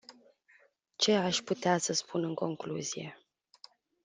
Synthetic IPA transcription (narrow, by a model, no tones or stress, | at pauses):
t͡ʃe̞aʃput̪easəspunɨŋko̞ŋkluzije̞̰